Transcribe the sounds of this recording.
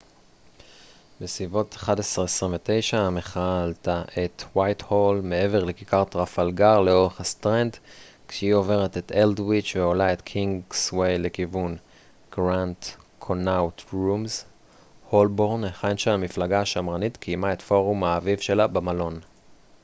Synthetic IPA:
besvivo̞tḁχadesʁesʁĩmvete̞jʃame̞χaltaʔetwajtholme̞e̞ve̞ʁlekikaʁt̪ʁafalɡaʁleo̞ʁe̞χhastʁend | kʃeio̞ve̞ʁeteteldwit͡ʃveo̞lae̞tkʰiŋɡswejlekivun | ɡ̥ʁantkʰonawtʁumz | ho̞lbo̞ʁneχanʃalamiflaɡaaʃamʁanitkʰijmae̞tfo̞ʁumaːvivʃe̞labamalo̞n

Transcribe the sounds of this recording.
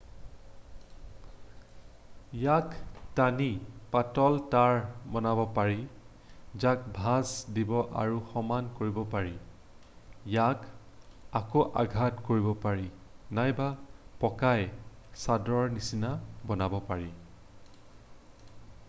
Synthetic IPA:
jaktanipatɔltaɹbɔnabɔpaɹi | zak̚bʱazdibɔʔa̰ɹuxɔmankoɹibɔpaɹi | jak | akoʔa̰ɡʱatkoɹibɔpaɹi | najbapɔkaj | sadɔɹnisinabɔnabɔpaɹi

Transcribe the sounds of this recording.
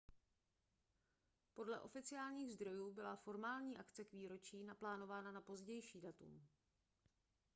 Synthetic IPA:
po̞dlɛʔo̞fɪt͡sɪjaːlɲiːɣzd̪ɾo̞juːbɪlafo̞ɾmaːlɲiːʔakt͡sɛkviːɾo̞t͡ʃiːnaplaːno̞vaːnanapo̞zɟɛjʃiːdat̪ṵm

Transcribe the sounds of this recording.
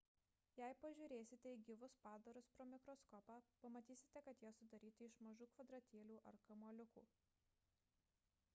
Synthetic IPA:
jæɪpɐʒʲʊːɾʲeːsʲɪt̪ʲɛiɡʲiʋʊspɑːd̪ɐɾʊspɾoːmʲɪkɾɔskɔːpɑːpɐmɐt̪ʲiːsʲɪ̥t̪ʲɛkɐt̪jiɛsʊd̪ɐɾʲiːt̪ʲɪɪʃmɐʒuːkʋɐd̪ɾɐt̪ʲiːlʲuːʔɐɾkɐmoɔlʲʊkṵː

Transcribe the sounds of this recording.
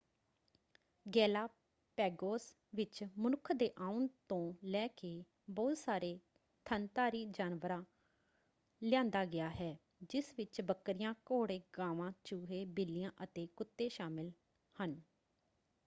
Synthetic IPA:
ɡɛːlaː | pɛːɡoːs | ʋɪt͡ʃmənʊkʰd̪eːʔãːunt̪õːlɛːkeː | bɔːt̪saːɾeː | t̪ʰənt̪aːɾiːd͡ʒaːnʋəɾãː | lɪjãːnd̪aːɡɪaːɦɛː | d͡ʒɪsʋɪt͡ʃbəkːɾɪjãːkoːɽeːɡãːʋãːt͡ʃuːɦeːbɪlɪjãːʔət̪eːkʊt̪ːẽːʃaːmɪl | hən

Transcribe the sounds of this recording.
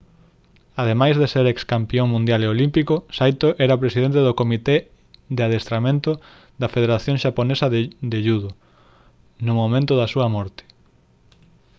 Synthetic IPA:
aðemajzðeseɾekskampioŋmũnd̪jaleolimpikosajt̪oʔɛɾɐpɾesiðent̪eðokomit̪e | ðeaðest̪ɾamẽnt̪ʊ | ðd̪ɐfeð̞eɾaθjõŋʃaponesɐðd̪eʎuðo | nʊmomẽnt̪ʊðɐsuɐmɔɾt̪e̥

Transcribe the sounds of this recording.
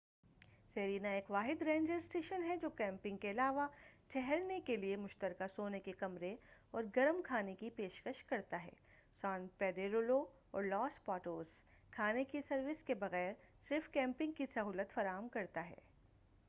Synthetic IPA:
seːɾiːnaeːkʋaːɦɪd̪ɾẽːɲd͡ʒəɾsʈeːʃənɦɛd͡ʒoːkɛ̃ːmpɪ̃ŋɡkeɐlaːʋaʈʰɛɦɛɾnekeliemʊʃt̪əɾkasoːnekekɐmɾeɔːɾɡɐɾəmkʰaːnekipeːʃkəʃkɐɾt̪aɦɛ̰ː | sãːnpɛːɖeːɾoːlo | ɔ̰ːɾlɔːspɔːʈoːɾs | kʰaːnekisɐɾʋɪskebɐɣɛːɾsɪɾfkɛ̃ːmpɪ̃ŋɡ̚kisɐɦuːlət̪fɐɾaːɦəmkɐɾt̪aɦɛ̰ː

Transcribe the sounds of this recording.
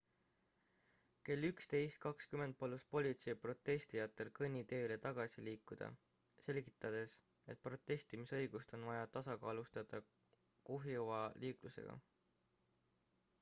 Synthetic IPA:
ke̞lːykst̪e̞jst̪̚kɑkskyme̞nt̪̚polːust̪̚po̞lʲit̪se̞jpro̞t̪ːe̞st̪ijɑt̪ːˑe̞lkɤnʲːit̪e̞ːle̞t̪ɑɡ̥ɑsiliːkːˑud̪̥ɑ̰ | se̞lʲɡ̥it̪ːˑɑd̪̥e̞s | e̞t̪̚pro̞t̪ːˑe̞sʲt̪imisɤ̞jɡ̥ust̪o̞nvɑjɑt̪ɑsɑkɑːlust̪ɑd̪̥ɑ | kuɦjuvɑliːkluse̞̰ɡ̥ɑ̰

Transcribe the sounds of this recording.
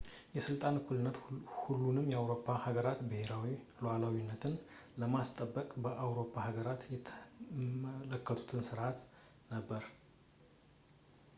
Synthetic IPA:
jɛsɨlt̪ʼankʰulɨnːət̪hulːunɨmjɛawɾo̞pʰːahaɡəɾat̪bɨhe̞ɾawi | loalawinːət̪ʰɨnləmast̪ʼəbːəkʼbəʔawɾo̞pʰːahaɡəɾat̪jɛt̪ʰmələkːət̪ʰu̥t̪ʰɨnsɨɾʔat̪ | nəbːəɾ

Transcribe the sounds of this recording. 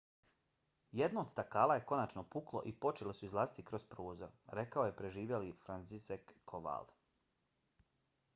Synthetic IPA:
jed̪noːd̪st̪akaːlˠaje̞ko̞nat͡ʃnopuklˠo̞̰ʔipo̞t͡ʃe̞lesuizlˠaːzit̪ikɾo̞spɾoːzo̰ɾɾe̞kaoje̞pɾe̞ʒiːʋjelifɾant̪sisekːʰoʋa̰l

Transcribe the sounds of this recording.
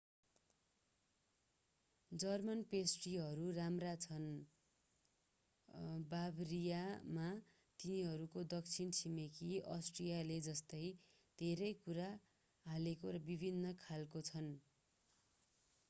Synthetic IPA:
d͡zʌrmʌnpesʈiɦʌɾuramrat͡sʰʌn | babrijama | t̪iniɦʌɾukod̪ʌk̚t͡sʰint͡sʰimekʰiʌsʈrijaled͡zʌst̪ʌj | d̪̥ʱeɾʌjkuɾa | ɦalekoɾʌbibʱinːʌkʰalkot͡sʰʌn

